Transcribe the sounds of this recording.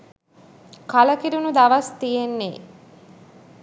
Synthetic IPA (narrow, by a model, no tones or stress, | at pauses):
kaləkiɾunud̪aʋast̪ijenːe